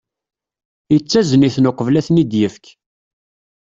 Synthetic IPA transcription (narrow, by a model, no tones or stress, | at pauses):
jət͡sːæzəniθnʊqəvlæθnid̪jəfk